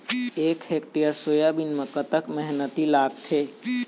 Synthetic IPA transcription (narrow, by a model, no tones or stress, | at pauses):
eːkhek̚ʈijəɾsoːjabinməkət̪əkmɛɦnət̪ilaːɡ̚t̪ʰeː